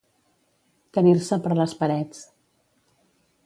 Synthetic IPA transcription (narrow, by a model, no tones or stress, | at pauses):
t̪əniɾsəpəɾləspəɾɛt͡s